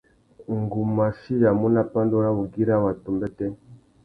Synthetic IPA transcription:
ŋ˨ɡu˨ma˨si˦ja˨mu˦na˦pa˦ndo˦ɾa˦bu˨ɡi˦ɾa˦˨wa˨tu˨mbɛ˦tɛ˦

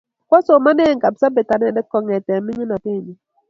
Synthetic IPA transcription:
kɔ˦so˨ma˦nɛ˦˨ŋ˨ka˨bsa˦be˨ta˨nɛ˦˨nɛ˦kɔ˨ŋɛ˨tɛ˨mɪ˦ɲi˦na˨te˦˨ɲi˨

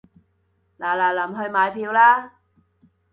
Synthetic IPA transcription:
laː˨˩laː˨˩lɐ˨˩mɦɵ˧ɥmaː˨jpʰiː˧wlaː˥

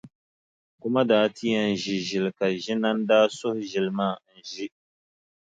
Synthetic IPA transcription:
kʊ˦ma˦daː˦ti˦ja˦n̩˨ʒi˨ʒɪ˨lka˨ʒɪ˦na˦n˦daː˦sʊ˦hʊ˦ʒɪ˨lmaː˦˨n̩˨ʒi˦

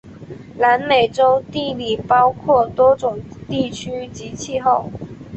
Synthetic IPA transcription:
na˧˥nme˨˩ɪʈ͡ʂo˥ʊt̪i˥˧li˨˩pɑ˥ʊkʰwɔ˥˩t̪wɔ˥ʈ͡ʂʊ˨˩ŋt̪i˥˩t͡ɕʰy˥t͡ɕi˧˥t͡ɕʰi˥˧xo˥˩ʊ

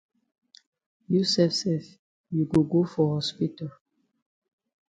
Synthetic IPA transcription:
ju˦sɛfsɛf | ju˨ɡo˨ɡo˦fɔ˨hɔ˦spital

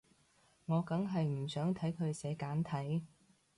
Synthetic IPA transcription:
ŋɔː˨˧kɐ˨˥ŋɦɐ˨jm̩˨˩sœː˨˥ŋt̪ʰɐ˨˥jkʰɵ˨˧ɥsɛː˨˧kaː˨˥nt̪ʰɐ˨˥j

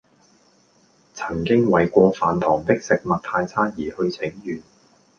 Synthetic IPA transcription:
t͡sʰɐ˨˩ŋkɪ˥ŋwɐ˨˩jkʷɔː˧faː˨nt̪ʰɔː˨˩ŋt̪ɪ˥k̚sɪ˨k̚mɐ˨t̚t̪ʰaː˧jt͡sʰaː˥n̚jiː˨˩hɵ˧ɥt͡sʰɪ˨˥ŋjyː˨˩n

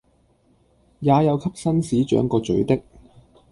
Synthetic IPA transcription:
jaː˨˧jɐ˨˧wkʰɐ˥p̚sɐ˥nsiː˨˥t͡ʃœ̰ː˨˥ŋkɔː˧t͡ʃɵ˨˥ɥt̪ɪ˥k̚

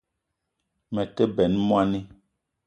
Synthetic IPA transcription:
mɛ˨tɛ˦bɛ˨˦nmwa˦ni˦

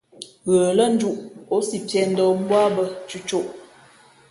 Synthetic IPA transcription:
ɣəː˨lə˦n̩˦d͡ʒu˦ʔo˨˦si˨pjɛ˦˨n̩˦dɔ˦m̩˦bwa˦bə˦t͡ʃu˦t͡ʃo˦˨ʔ

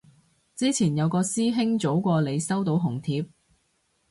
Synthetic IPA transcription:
t͡siː˥t͡sʰiː˨˩njɐ˨˧wkɔː˧siː˥ɦɪ˥ŋt͡so˨˥wkʷɔː˧le˨˧jsɐ˥wt̪o˨˥wɦʊ˨˩ŋt̪ʰiː˨˧p̚

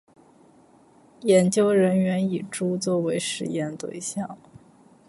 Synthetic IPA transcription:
jɛ˧˥nt͡ɕjo˥ʊɻə˧˥nɥɛ˧˥ni˨˩ʈ͡ʂu˥t͡swɔ˥˩we˧˥ɪʂɻ̩˧˥jɛ˥˧nt̪wḛ˥˧ɪɕjɑ˥˩ŋ

